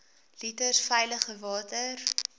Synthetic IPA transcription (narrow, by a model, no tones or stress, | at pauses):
litərsfɛjləχəvɑːtər